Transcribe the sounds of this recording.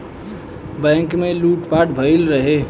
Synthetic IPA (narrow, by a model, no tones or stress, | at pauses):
bɛ̃ŋkmeluʈpaʈbʱəjlɾəɦe